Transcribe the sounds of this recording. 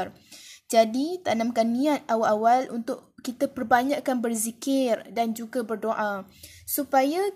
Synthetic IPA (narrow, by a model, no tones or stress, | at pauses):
r | d͡ʒadit̪anãmkanːĩãt̪̚awaʔawalʔṵnt̪ʊʔkit̪apərbaɲaʔkːanbərzikɪrdand͡ʒuɡabərdoʔa | supaja